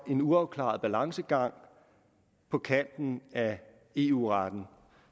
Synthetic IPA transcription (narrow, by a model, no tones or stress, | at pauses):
e̝nuɑ̈ʊkʰlɑ̰̈ð̩ˠb̥ælɑ̈ŋsəɡ̥ɑ̈ŋ̰ | pʰɒ̽kʰæn̰d̥n̩æ | e̝ːuːʁɑd̥n̩